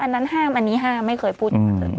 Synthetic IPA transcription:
ʔa˧nːa˦˥nɦaː˥˩mʔa˧nːiː˦˥ɦaː˥˩mːa˥˩jkʰɤː˧˩jpʰuː˥˩˨ma˥˩kʰɤː˧˩j

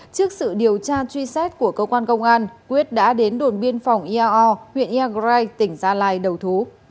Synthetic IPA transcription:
t͡ɕɨ˦˥ək̚sɨ̰˧˨ɗi˨˩əwt͡ɕaː˧t͡ɕwi˧sɛ˦˥t̚ku˧˩əkəː˧kwaː˧nkə˧wŋ͡mʔaː˧nkwi˦˥ət̚ɗa̰ː˧˥ɗe˨˦nɗo˨˩nɓi˧ənfa˨˩wŋ͡mʔi˧ʔaː˧ʔɔ˧hwḭ˧˨ənʔaː˧ɣzaː˧jt̪ï˧˩ŋ̟zaː˧laː˧˩jɗə˨˩wt̪ʰu˨˦

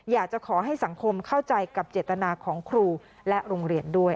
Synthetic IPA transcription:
jaː˨˩k̚t͡ɕa˨˩kʰɔː˩˦ɦa˥˩jsa˩˦ŋkʰo˧mkʰa˥˩wt͡ɕa˧jka˨˩p̚t͡ɕeː˨˩t̪ːa˧naː˧kʰɔː˩˦ŋkʰɾuː˧ | lɛ˦˥ʔɾoː˧ŋɾi˧əndu˥˩əj

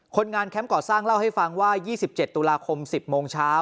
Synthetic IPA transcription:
kʰo˧nŋaː˧nkʰɛ˦˥mkɔː˨˩saː˥˩ŋla˥˩wha˥˩jfa˧ŋwaː˥˩jiː˥˩si˨˩p̚t͡ɕe˨˩t̪ːu˧laː˧kʰo˧msi˨˩p̚moː˧ŋt͡ɕʰaː˦˥w

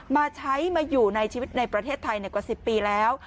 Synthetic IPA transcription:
maː˧t͡ɕʰa˦˥jmaː˧juː˨˩na˧jt͡ɕʰiː˧wi˦˥t̪̚na˧jpɾa˧t̪ʰeː˥˩t̪ʰːa˧jna˧˩kwa˨˩si˨˩pːiː˧lɛː˦˥w

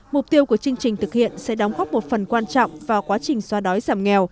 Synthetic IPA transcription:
mʊ˨˩k͡p̚t̪i˧əwku˧˩ət͡ɕɨ˧ŋt͡ɕï˨˩ŋ̟t̪ʰɨ˨˩k̚hḭ˧˨ənsɛ̰˧˥ɗɔ˨˦ŋ͡mɣɔ˦˥p̚mo˨˩t̚fə˨˩nkwaː˧nt͡ɕɔ̰˧˨wŋ͡mvaː˨˩kwaː˨˦t͡ɕï˨˩ŋ̟swaː˧˦ɗɔ˨˦jzaː˧˩mŋɛ˨˩w

